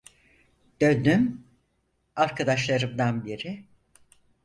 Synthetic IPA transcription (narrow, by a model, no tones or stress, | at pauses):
d̪̥ønd̪ym | aɾkʰad̪aʃlˠaɾɯmd̪anbiɾɪ